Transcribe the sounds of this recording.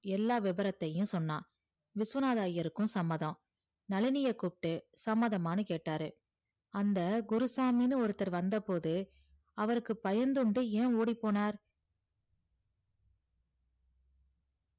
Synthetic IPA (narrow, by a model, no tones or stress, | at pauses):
ɛlːaːʋɪbɐɾɐt̪ːɐjɯ̃sɔnːã̰ː | ʋɪsʋɐnaːðaːjɐɾɯkːɯ̃sɐmːɐðɐ̃ | nɐlɪnɪjɐkːupʈːɯsɐmːɐðɐmaːnɐkeːʈːaːɾɯ | ɐnd̪ɐɡʊɾɯsaːminɯɔɾɯt̪ːɐɾʋɐnd̪ɐpoːðɯ | ɐʋɐɾɯkːɯpɐjɐnd̪ɯɳɖɯẽːoːɽipːoːnaːɾ